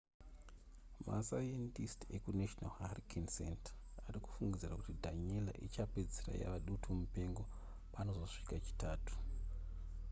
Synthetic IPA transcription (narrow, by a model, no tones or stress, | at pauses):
ma̰sajentistekuneʃonalharikʰinsḛntḁariku̥fuŋɡid͡zirakutidʱaɲela̰ʔit͡ʃaped͡zira̰ja̰ʋaɗutʰumupe̞ŋɡo̞ | pano̞zo̞ʂi̥kat͡ʃi̥tʰaːtʰu̥